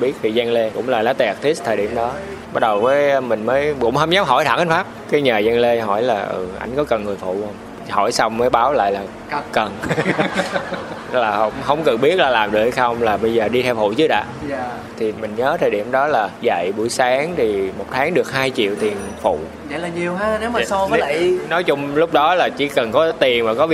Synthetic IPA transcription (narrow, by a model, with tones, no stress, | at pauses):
ɓi˦˥ət̪ʰi˨˩zaː˧ŋle˧kʊ̰˧˥ŋ͡mlaː˨˩laː˨˦t̪e˨˩˨k̚t̪ʰi˦˥s̚t̪ʰəː˨˩ɗḭ˧˩əmɗɔ˨˦ | ɓaː˦˥t̚ɗə˨˩wvəː˨˦jmï˨˩ŋ̟məː˨˦jkʊ̰˧˥ŋ͡mhə˧wŋ͡mzaː˨˦wɦɔ̰˧˩jt̪ʰa̰˧˩ʔaː˨˦n̟faː˦˥p̚kaː˨˦jɲəː˨˩zaː˧ŋle˧ɦɔ˧˩jlaː˨˩ʔɨ̰˨˩ʔa̰˧jŋ̟kɔ˨˦kə˨˩nŋɨ˨˩əjfṵ˧˨˧wŋ͡m | hɔ̰˧˩jsa˧wŋ͡mməː˨˦jɓaː˨˦wla̰ː˧˨jlaː˨˩ | kə˨˩n | laː˨˩hə˧wŋ͡mɦə˧wŋ͡mkə˨˩nɓi˦˥ət̚laː˨˩laː˨˩mɗɨ˨˩ək̚ha˧˩jxə˧wŋ͡mlaː˨˩ɓə˧jzəː˨˩ɗi˧t̪ʰɛ˧wfṵ˧˨t͡ɕɨ˨˦ɗa̰ː˧˦ | t̪ʰi˨˩mï˨˩ŋ̟ɲəː˨˦t̪ʰəː˨˩ɗi˧˩əmɗɔ˨˦laː˨˩za̰˧˨jɓu˧˩əjsaː˨˦ŋt̪ʰi˨˩mo˨˩t̚t̪ʰaː˨˦ŋɗɨ˨˩ək̚haː˧jt͡ɕḭ˧˨əwt̪i˨˩ənfṵ˧˨ | a̰˧˨˦laː˨˩ɲi˨˩əwɦaː˨˦˥ne˨˦wmaː˨sa˧˦la˨˧˨nɔ˨˦jt͡ɕʊ˧ŋ͡mlʊ˦˥k͡p̚ɗɔ˨˦laː˨˩t͡ɕḭ˧˩˥kə˨˩nkɔ˨˦t̪i˨˩ənmaː˨˩kɔ˨˦